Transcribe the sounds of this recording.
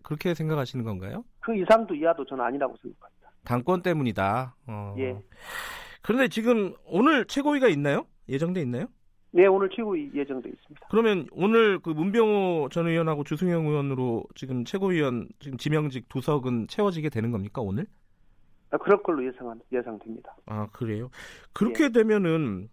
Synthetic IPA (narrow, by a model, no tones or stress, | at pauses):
kɯɾʌkʰe̞sʰe̞ŋɡakʰaɕʰinɯnɡʌnɡa̰jokɯisʰaŋdoiadot͡ɕʌnna̰ɲiɾaɡosʰe̞ŋɡakʰamɲid̥ataŋk͈wʌnt͈e̞muɲidaʌje̞ | kɯɾʌnde̞t͡ɕiɡɯmonɯɭt͡ɕʰe̞ɡoɥiɡainːajo | je̞d͡ʑʌŋdweinːajo | je̞onɯɭt͡ɕʰweɡoije̞d͡ʑʌŋde̞is͈ɯ̥mɲid̥ḁkɯɾʌmjʌnonɯɭkɯmumbjʌŋot͡ɕʌnɯiʌnɦaɡot͡ɕus̬ʰuŋjʌŋuwʌnɯɾot͡ɕiɡɯmt͡ɕʰe̞ɡoɥiwʌnt͡ɕiɡɯmt͡ɕimjʌŋd͡ʑik̚t͈usʰʌɡɯnt͡ɕʰe̞wʌd͡ʑiɡe̞dwe̞nɯnɡʌmɲik͈aonɯɭ | akɯɾʌnk͈ʌɭːojesʰaŋanjesʰaŋdwemɲid̥aakɯɾe̞jokɯɾʌkʰe̞dwe̞mjʌnɯn